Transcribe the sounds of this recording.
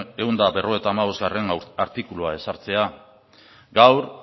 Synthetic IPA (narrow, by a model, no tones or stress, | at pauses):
eɣund̪abe̞ro̞e̞t̪aːmaβ̞o̞zɣare̞naɾt̪ikuluae̞saɾt͡se̞a | ɡawɾ